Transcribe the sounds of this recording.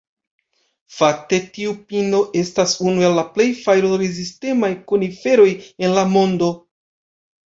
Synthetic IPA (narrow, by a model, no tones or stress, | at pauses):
fak̚te̞tiupino̞ʔe̞stasunuelːaple̞jfajɾoɾeziste̞majkunife̞ɾo̞je̞nlamo̞ndo̞